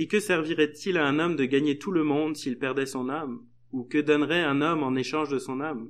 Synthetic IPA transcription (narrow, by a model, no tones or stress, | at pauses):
ekəsɛʁviʁɛt̪ilaɛ̃nɔmd̪əɡaɲet̪ʰuləmɔ̃d̪siilpɛʁd̪ɛsɔ̃nam | ukəd̪ɔnʁɛɛ̃nɔmɑ̃neʃɑ̃ʒd̪əsɔ̃nam